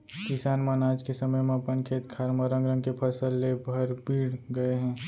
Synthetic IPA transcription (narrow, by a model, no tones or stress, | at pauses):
kɪsaːnmanaːd͡ʒkesɐməjmẽpənkʰeːt̪kʰaːɾməɾə̃ŋɡɾə̃ŋɡkepʰɐsəlːebʱɐɾbiːɽɡɐeɦɛ̃ː